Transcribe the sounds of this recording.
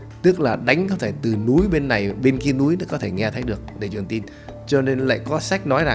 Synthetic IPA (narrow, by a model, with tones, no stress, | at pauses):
t̪ɨ˦˥k̚laː˨˩ɗa˨˦jŋ̟kɔ˧˦t̪ʰe˧˩t̪ɨ˨˩nu˨˦jɓe˧nːa˨˩jɓe˧nki˧ənu˨˦jnə˨˥kɔ˨˦t̪ʰe˧˩ŋɛ˧t̪ʰəː˨˦jɗɨ˨˩ək̚ɗe˧˩t͡ɕwi˨˩əŋt̪i˧n | t͡ɕɔ˧ne˧nla̰ː˧˨jkɔ˨˦sa˦˥jk̟̚nɔ˨˦jza˨˩ŋ